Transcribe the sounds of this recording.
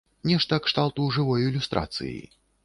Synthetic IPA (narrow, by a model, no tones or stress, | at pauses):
nʲɛʂt̪ɐkʂt̪alˠt̪uʐɨvɔjuilʲust̪ɾʔa̰t̪sɨ̰jḭ